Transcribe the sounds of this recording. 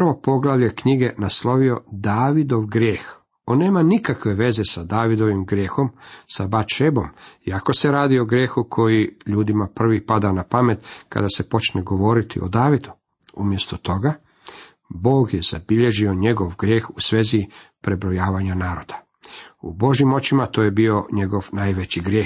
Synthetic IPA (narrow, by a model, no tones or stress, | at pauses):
pʋopo̞ɡlˠaʋʎekɲiɡe̞naslo̞ʋio̞d̪aːʋid̪o̞ʋɡɾjeːx | o̞nːe̞ːmanikakʋe̞ʋe̞ze̞sad̪aːʋid̪o̞ʋimɡɾjeːxo̞msabat͡ʃebo̞miakose̞ɾaːd̪io̞ɡɾje̞ːxukʰo̞jiʎuːd̪imapr̩ʋipad̪anapame̞t̪ka̰d̪ase̞po̞t͡ʃneɡo̞ʋo̞ɾit̪ʰḭʔod̪aːʋid̪u | umje̞st̪o̞t̪o̞ɡa | bo̞ːɡjez̥a̰biʎe̞ʒioɲe̞ɡo̞ʋɡɾʲje̞ːxusʋeːzipɾe̞bɾo̞jaːʋaɲanaːɾo̞d̪̥ḁ | ṵbo̞ʒjimo̞t͡ɕimat̪o̞ːjebio̞ɲe̞ɡo̞ʋnaːjʋet͡ɕiɡɾjeː